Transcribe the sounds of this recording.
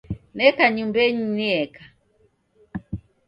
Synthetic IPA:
nɛkaɲumbɛɲiniɛka

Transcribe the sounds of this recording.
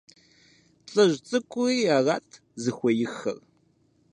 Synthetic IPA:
t͡sʼɐʒt͡sʼɨkʷʼʊiaːʁaːtʰ | zɨxʷɔjɪxɐ̰r

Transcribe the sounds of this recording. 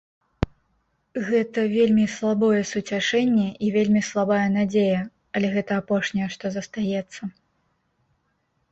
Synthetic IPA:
ɣɛt̪ɐvʲelʲmʲislˠabɔjɛsut͡sʲaʂɛnʲːɛʔivʲelʲmʲislˠabajɛnad͡zʲejɐ | ɐlʲɛɣɛt̪ɐːpɔʂnʲɐjɛʂt̪ɔzɐst̪ajɛt̪sːɐ

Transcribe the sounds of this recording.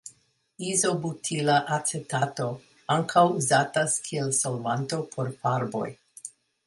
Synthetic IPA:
izo̞butʰilaʔat͡setato̞ | aŋkʰawuzataskʰielsolvanto̞pʰo̞ɾpaɾbo̞̰j

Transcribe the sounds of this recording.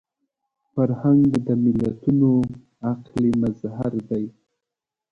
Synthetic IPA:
faɾhaŋɡɡd̪əmɪlat̪uno | aqlimazhaɾd̪aj

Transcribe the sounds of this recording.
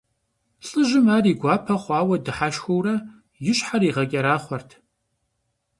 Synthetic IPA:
ɬʼɨʒɪmaːriːɡʷɑːpʰɐχʷɑːwɐdɨħaʃxɐwrɐ | jɪɕħaɾiːʁɐkʲʼɐɾaːχʷɔrtʰ

